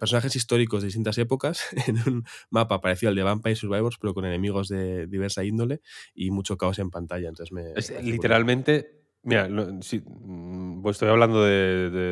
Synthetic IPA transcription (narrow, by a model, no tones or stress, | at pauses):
peɾsonaχe̞sist̪o̞ɾikozðist̪int̪ase̞po̞kasenunmapaːpaɾe̞θjo̞ld̪eampajsuɾβajβoɾspe̞ɾo̞ko̞ne̞ne̞miɣ̞o̞zðe̞ðiβe̞ɾsaind̪o̞le̞imut͡ʃo̞kao̞se̞mpant̪aʎanonθezmeeslit̪eɾalmẽnt̪e̞ | miɾanosi | oest̪ojaβland̪oðeðe